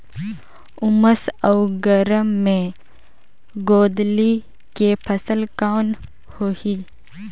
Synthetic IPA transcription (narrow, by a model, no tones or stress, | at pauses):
ʊməsəwɡəɾəmːẽ | ɡoːd̪li | kepʰəsəlkaːn | hoːhi